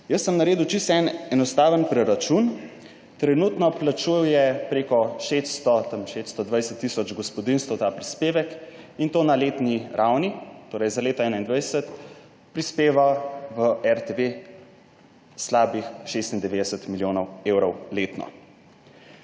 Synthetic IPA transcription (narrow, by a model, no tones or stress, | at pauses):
jəsːəmnaɾeːd̪ut͡ʃist̪ɛnɛnɔst̪aːʋənpɾɛɾat͡ʃun | t̪ɾɛnuːt̪nɔplat͡ʃujwjɛpɾekɔʃest̪st̪ɔt̪əmʃest̪st̪ɔd̪ʋajsət̪ːisɔd͡ʒɡɔspɔd̪inst̪əwt̪aːpɾispeːʋək | int̪oːnaleːt̪niɾʔawnit̪oːɾɛjzaleːt̪aɛːnaind̪ʋajsət̪ | pɾispeːʋaʋəɛɾt̪eʋe | slaːbixʃest̪ind̪ɛʋeːd̪ɛsət̪miljoːnɔwewɾɔwleːt̪nɔ̰